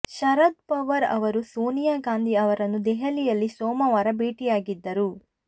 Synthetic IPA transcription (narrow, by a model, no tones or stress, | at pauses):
ʃɐɾɐd̪̚pɐʋɐɾɐ̰ʋɐɾusuːnijaɡaːnd̪iɐʋɐɾɐnːud̪ɛɦɐlijɐlːisɔːmɐʋaːɾɐbiːʈijaːɡid̪ːɐɾu